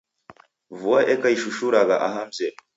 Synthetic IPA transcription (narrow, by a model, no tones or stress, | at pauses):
vuaʔekaiʃuʃuɾaɡaʔaɦam̩ze